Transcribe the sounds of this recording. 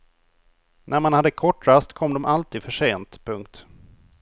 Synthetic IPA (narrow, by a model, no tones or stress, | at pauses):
nʔæɾmanhad̪ːəkʰɔʈːɾast̪kʰɔmːd̪ɔmʔalt̪ʰiːd̪fœʂeːnt̪pʰɵŋk̚t̪